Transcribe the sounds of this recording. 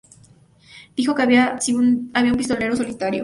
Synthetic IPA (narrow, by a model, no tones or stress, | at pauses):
d̪̥ixo̞keaiaβiaumpist̪o̞le̞ɾoso̞lit̪aɾjo̰